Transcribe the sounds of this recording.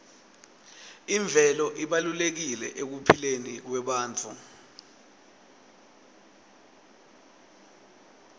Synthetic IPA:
iɱb̪vʱɛlɔʔiɓalulek̬ilɛʔek̬upʰilenik̬wɛɓaːnt͡fʰṵ

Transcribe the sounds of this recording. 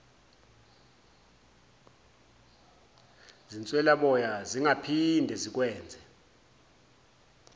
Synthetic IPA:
zint͡sʼwɛlaɓɔjaziŋapʰindʱɛzik̬wɛːnd͡zʱɛ

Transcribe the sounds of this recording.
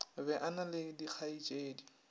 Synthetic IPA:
bɛʔanalɪdik͡xʰait͡ʃʼeːdi

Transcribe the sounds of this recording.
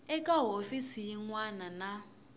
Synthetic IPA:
ɛkʼaɦofisijiŋwanana

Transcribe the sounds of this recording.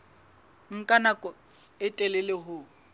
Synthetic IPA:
ŋ̩kʼanakʼɔɪtʼɛlɛlɪɦʊ

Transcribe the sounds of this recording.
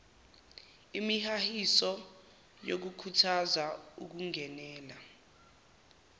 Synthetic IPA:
imihahisɔ | jok̬ukʰutʰazauk̬uŋɛnɛːla

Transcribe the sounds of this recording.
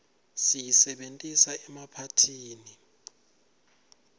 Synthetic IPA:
sijisɛɓentʼisaɛmapʰatʰiːni

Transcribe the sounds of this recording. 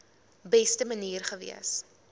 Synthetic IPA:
bɛstəməniːrχəvḭəs

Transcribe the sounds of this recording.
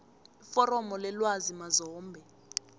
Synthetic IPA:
ifɔɾɔmɔlɛlwazimazɔːmbʱɛ

